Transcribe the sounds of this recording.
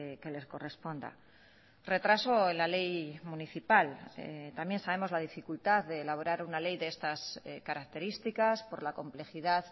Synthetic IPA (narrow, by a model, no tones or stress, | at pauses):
ke̞le̞sko̞re̞spo̞nd̪a̰ | re̞t̪ɾaso̞enlale̞jmuniθipal̰t̪amje̞nsaβe̞mo̞zlað̞ifikult̪aððe̞ːlaβ̞o̞ɾaɾunale̞jðeest̪askaɾak̚t̪e̞ɾist̪ikaspo̞ɾlako̞mple̞xiðað